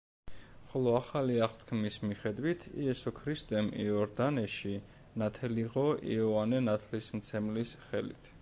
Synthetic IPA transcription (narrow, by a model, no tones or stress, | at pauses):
χɔlˠɔaχaliaχt̪ʰkʰmismiχɛd̪wit̪ʰḭɛsɔkʰɾist̪ʼɛmḭɔɾd̪anɛʃi | nat̪ʰɛliʁɔḭɔvanɛnat̪ʰlismt̪sʰɛmlisχɛlḭt̪ʰ